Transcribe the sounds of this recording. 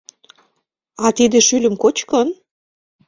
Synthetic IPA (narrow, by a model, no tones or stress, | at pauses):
ɑt̪id̪ĕʃylʲə̆mkot͡ɕkən